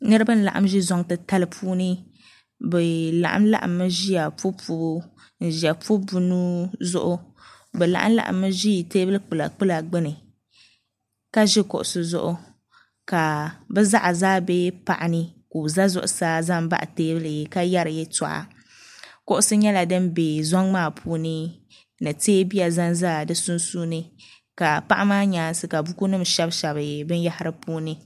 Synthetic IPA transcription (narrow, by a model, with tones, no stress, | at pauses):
nɨ˦ɾɨ˦bɨ˦n̩˦la̰˨ʔa̰˦mʒɪ˦zɔ˦ŋtɨ˦ta˦lɨ˦pʰuː˦nɨ˦ | bɛ˨la̰˨ʔa̰˦m˦la̰˦ʔa̰˨mːɨ˦ʒi˦ja˨fu˦pu˦bu˦ | n̩˨ʒi˨a˨pu˦bu˦nu˦zʊ̰˦ʔʊ˦ | bɛ˨la̰˨ʔa̰˦m˦la̰˨ʔa̰˨mːɨ˦ʒi˦˨teː˦bɨ˦lɨ˦k͡pɨ˨la˨k͡pɨ˦la˨ɡ͡bɨ˦nɨ˨ | ka˦ʒɪ˦kʊ˨ʔʊ̰˨sɨ˨zʊ̰˦ʔʊ˦ | ka˨bɛ˦za˦ʔa˨zaː˦be˦pa̰˨ʔa˨nɨ˦ku˨za˦zʊ˦ʔʊ˨saː˦za˦mba̰˦ʔa˨teː˦bɨ˦lɨ˨ka˦ja˦ɾɨ˨jɛ˦ta̰˨ʔa̰˨ | kʊ˦ʔʊ˦sɨ˦ɲɛ˦la˨dɨ˦mbe˨zɔ˦ŋmaː˦˨pʰuː˦nɨ˦ | nɨ˨teː˦bi˦ja˨za˦nzaː˦˨dɨ˦su˦nsuː˦nɨ˦ | ka˨pa˦ʔa˦maː˦ɲaː˨˦˨n˦sɨ˦ka˨bu˦ku˦nɨ˦m˨ʃɛ˦bʃɛ˨bɨ˨bɨ˦n˦ja˦ha˦ɾɨ˦puː˦nɨ˦